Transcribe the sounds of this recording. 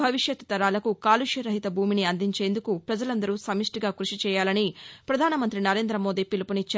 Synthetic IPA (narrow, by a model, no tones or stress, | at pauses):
ɐʋiʂjɐt̪t̪ɐɾaːlɐkukaːluʂjɐɾɐɦit̪ɐbʱuːminiɐnd̪iɲt͡ʃe̞ːnd̪ukupɾɐd͡ʒɐlɐnd̪ɐɾuːsɐmiʂʈiɡaːkɾuʂit͡ʃɛːjaːlɐnipɾɐd̪ʱaːnɐmɐnt̪ɾinɐɾe̞ːnd̪ɾɐmo̞ːd̪iːpilupunit͡ʃːɐ